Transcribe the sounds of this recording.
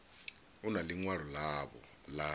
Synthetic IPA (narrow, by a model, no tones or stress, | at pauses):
unaliŋwaɺ̤ɔlaβɔ̰ | la